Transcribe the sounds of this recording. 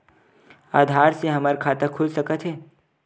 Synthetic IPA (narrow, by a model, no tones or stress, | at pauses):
aːd̪ʱaːɾseɦɐməɾkʰaːt̪əkʰʊlsɐkət̪ɦɛː